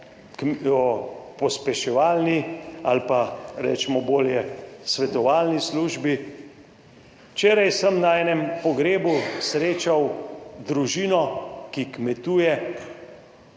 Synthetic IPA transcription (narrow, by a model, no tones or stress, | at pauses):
kɔpɔspɛʃɛʋaːlnialpaɾɛ̰ːt͡ʃɛmɔboːljɛsʋɛt̪ɔʋaːlnisluʒbi | t͡ʃeːɾajsəmnaɛːnɛmpɔɡɾeːbusɾeːt͡ʃawd̪ɾuʒiːnɔkikmɛt̪uːjɛ